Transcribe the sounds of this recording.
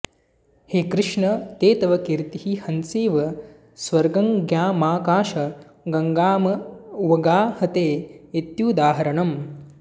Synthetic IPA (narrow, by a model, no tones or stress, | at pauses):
heːkɾɪʂɳɐt̪eːt̪ɐʋɐkiɾt̪iɦihɐnsiːʋɐ | sʋɐɾɡɐŋɡjaːmaːkaːʃɐ | ɡɐŋɡaːmɐuʋɐɡaːhɐt̪eːit̪juːd̪aːɦɐɾɐɳɐm